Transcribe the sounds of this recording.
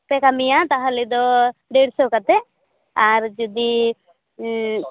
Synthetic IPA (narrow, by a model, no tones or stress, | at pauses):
pɛkamijat̪aɦəlid̪ɔɖeɽsɔkat̪ɛ | aɾd͡ʒud̪i